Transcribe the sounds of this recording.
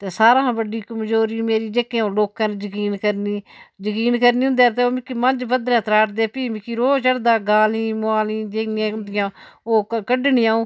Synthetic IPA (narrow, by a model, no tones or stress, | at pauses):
t̪eːsaːɾãːbəɖiːkəmd͡ʒoːɾiːmeːɾiːd͡ʒekẽõːloːkãːned͡ʒəkiːnkəɾniːd͡ʒəkiːnkəɾniːɦʊ̃nd̪ɛːt̪eːoːmɪkːiːmənd͡ʒbəd̪ɾɛ̃ːt̪ɾaːʈd̪eːpiːmɪkiːɾoːt͡ʃəɽd̪aːɡaːlĩːmʊaːliːd͡ʒeːɪãːʊnd̪ɪjãːoːkkəɖnɪːãːũː